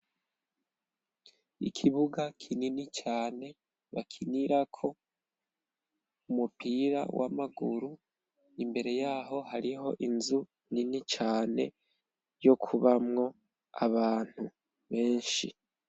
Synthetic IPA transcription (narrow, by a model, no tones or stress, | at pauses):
ikʰiβuɡakʰininit͡ʃaːne̞ | βakʰiniɾakʰo̞ | umupiɾa̰wa̰maɡuɾu | imbe̞ɾe̞jaːɦo̞haɾiɦo̞̰ʔinzu | ninit͡ʃaːne̞ | jo̞kʰuβamŋo̞ | a̰βaːn̥hu | βe̞ːnʃi